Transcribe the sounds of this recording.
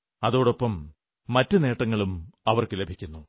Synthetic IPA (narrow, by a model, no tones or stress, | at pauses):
ɐðo̞ːɽo̞pːɐmː | ɐtːune̞ːʈːɐŋːɐɭumɐʋɐrkɨlebʱikʲːunːu